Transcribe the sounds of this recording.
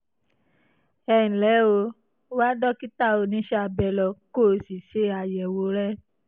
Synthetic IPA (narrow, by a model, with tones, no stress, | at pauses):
ɛ˨nĩ˨lɛ˨˦o˧˦ | wa˦dɔ˦ki˦ta˦˨o˧nĩ˨˦ʃa˦˨˧bɛ˧lɔ˧ko˦˨si˨ʃe˨˦a˧jɛ˨wo˧˦ɾɛ˦